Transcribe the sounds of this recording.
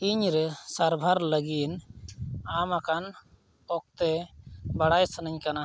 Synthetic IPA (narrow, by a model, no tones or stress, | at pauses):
iɲɾɛsaɾbʱaɾləɡin | amakan | ɔk̚t̪ɛbaɽajsənəɲkana